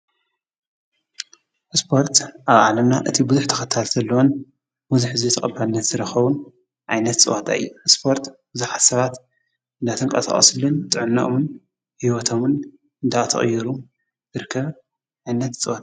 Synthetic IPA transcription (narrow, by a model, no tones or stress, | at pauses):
spʰo̞ɾt̪ʔaβʕa̰lɐmnaʔɨt̪ʰibɨzuħt̪ʰɐ̥xɐt̪ʰːalzɐlːɐwon | mɨzuħɨzit̪ʰɐχʼɐbalɨnːɐt̪zɨɾɐxɐβun | ʕajnɐt̪t͡sʼɨwat̪ʼa̰ɨ̰jːuspʰo̞ɾt̪bɨzuħat̪sɐβat̪ | ʔɨnd̪at̪ʰɨŋkʼɐ̰t̪ʰɐ̰χʼɐ̰sɨlɨnt̪ʼɨʕɨnːɐ̰ʔmɨn | hiwɔt̪ʰo̞mɨn | ɨnd̪at̪ʰɐ̰χʼjːɛɾu | zɨɾɨkʰːɐβ | ʕajnɐt̪t͡sʼɨwat̪ʼa